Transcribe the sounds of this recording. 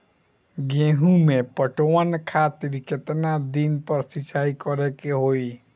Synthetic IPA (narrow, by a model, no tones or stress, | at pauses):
ɡeɦũmepəʈowankʰat̪iɾiket̪nad̪inpəɾsit͡ʃʰaikɔɾekeɦoi